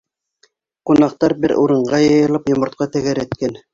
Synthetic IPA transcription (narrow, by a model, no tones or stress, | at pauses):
qunɑq̚t̪ɑɾbɘɾuɾɤ̆ɴɢɑjɤ̆jɤ̆lˠɤpjŏmɤ̆ɾt̪̚qɑt̪æ̆ɡæɾæ̆t̪kæn